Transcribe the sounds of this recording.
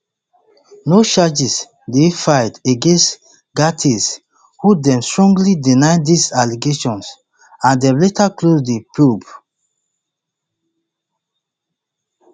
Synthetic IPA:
noʃad͡ʒis | defaɪteɡẽnst | ɡatʰis | hudɛ̃mstɹɔ̃ŋɡlidinaɪdisaliɡeʃɔ̃ns | ãndɛ̃mletaklosdepʰub

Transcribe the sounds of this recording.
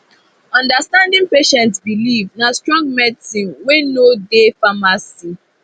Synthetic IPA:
ɔ̃ndastãndɪ̃ŋpeʃɛ̃ntsbilivnastɹɔ̃ŋɡ̚mɛdsĩnwenodefamasi

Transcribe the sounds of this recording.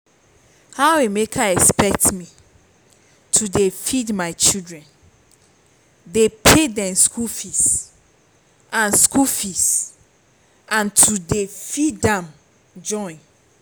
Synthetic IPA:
haemekʰaɛkspɛk̚tmi | tʰudefidmaɪt͡ʃildɹɛ̃n | depʰedɛ̃mskʰulfis | ãnskʰulfis | ãntʰudefidɛ̃m | d͡ʒɔ̃ɪ̃n

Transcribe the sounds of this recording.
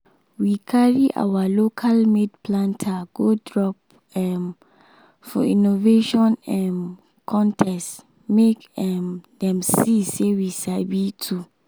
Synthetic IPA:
wikʰaɹiʔa̰walokʰalmedpʰlãntʰaɡ̥odɹɔp̚ | ɛm | fɔ̰inoveʃɔ̃nɛ̃m | kʰɔ̃ntʰɛst | mekɛmdɛ̃msisewisalbitʰu

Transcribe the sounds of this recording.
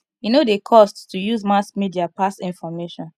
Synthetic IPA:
junodekʰɔsttujuzmaskmidiapasĩnfɔmeʃɔ̃n

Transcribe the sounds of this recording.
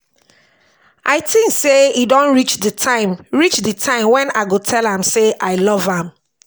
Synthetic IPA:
ʔaɪtĩŋkseidɔ̃nɹit͡ʃðətʰãɪ̃mɹit͡ʃdətʰãɪ̃mwɛ̃naɪɡotʰɛlãmseʔaɪlɔvãm

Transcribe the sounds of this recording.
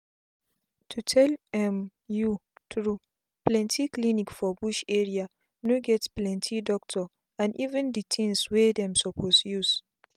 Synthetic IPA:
tʰutʰɛlɛ̃m | juθɹu | plɛ̃ntʰiklinikfɔbuʃɛɹia | noɡɛtplɛ̃ntʰidɔk̚tʰɔ | ãnʔivɛ̃nditʰĩŋswedɛ̃msɔpʰosjus

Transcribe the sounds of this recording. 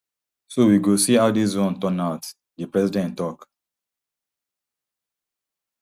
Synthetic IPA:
sowiɡosiaʊdis̬ɹɔ̃ntɔ̃naʊt | dipɹɛsidɛ̃ntːɔk

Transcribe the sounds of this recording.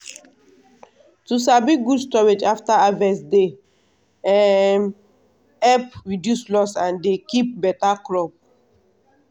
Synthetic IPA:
tus̬abiɡudstɔɹed͡ʒaftaavɛsde | ɛm | ɛpɹidjuslɔsãndekip̚bɛtakɹɔp̚

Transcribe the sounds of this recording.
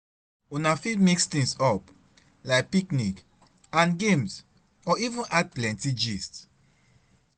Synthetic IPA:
unafidmikst̪ĩŋsɔp | laɪk̚piknik | ãnɡẽms | ɔivũnʔad̚plɛ̃ntid͡ʒist

